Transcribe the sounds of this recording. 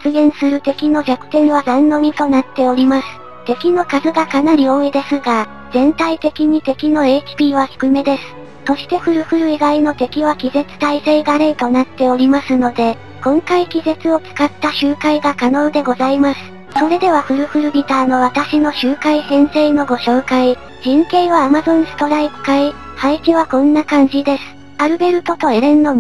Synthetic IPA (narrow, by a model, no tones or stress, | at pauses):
t͡sɨɡẽ̞ɰ̃sɨɾɯ̟t̪e̞kʲino̞ɡʲakɯ̟̥t̪ẽ̞ɰ̃β̞azãnːo̞ɲ̟ʲit̪o̞nat̪ːe̞o̞ɾʲimasɨ̥ | t̪e̞kʲino̞kazɨɡakanaɾʲio̞ːid̪e̞sɨɡa | z̥ẽ̞nt̪ait̪e̞kʲiɲ̟it̪e̞kʲino̞e̞t͡ɕi̥pʲiːβaçi̥kɯ̟me̞d̪e̞sɨ̥ | so̞ɕi̥t̪e̞ɸɯ̟ɾɯ̟ɸɯ̟ɾɯ̟iɡaino̞t̪e̞kʲiβakʲize̞t͡sɨ̥t̪aise̞iɡaɾeit̪o̞nat̪ːe̞o̞ɾʲimasɨno̞d̪e̞ | kõ̞ŋkaikʲize̞t͡sɨo̞t͡sɨ̥kat̪ːaɕɨːkaiɡakano̞ːd̪e̞ɡo̞zaimasɨ̥ | so̞ɾe̞d̪e̞β̞aɸɯ̟ɾɯ̟ɸɯ̟ɾɯ̟bʲit̪aːno̞βat̪aɕino̞ɕɨːkaisẽ̞ɰ̃se̞ːno̞ɡo̞ɕo̞ːkai | ʑ̥ĩŋkẽ̞ɰ̃βaːmazõ̞ŋ̃sɨ̥t̪o̞ɾaipɯ̟̥kai | hait͡ɕiβ̞akõ̞nːakãɲ̟d͡ʑid̪e̞sɨ̥ | aɾɯ̟be̞ɾɯ̟t̪o̞t̪o̞eɾẽ̞nːo̞m